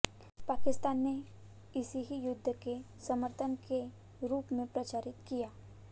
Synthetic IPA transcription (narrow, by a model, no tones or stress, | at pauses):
paːkɪst̪aːnːe | ɪsiɦijʊd̪ʱːəke | sɐməɾt̪ʰənke | ɾuːpmẽpɾɐt͡ʃaːɾɪt̪kijaː